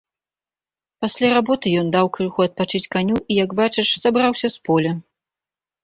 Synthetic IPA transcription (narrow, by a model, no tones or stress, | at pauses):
pasʲlʲaɾabɔt̪ɨjɔnd̪awkɾɨxuɐt̪̚pat͡ʂɨt͡sʲkanʲuʔijɐɡbat͡ʂɨʂsabɾawsʲɐspɔlʲɐ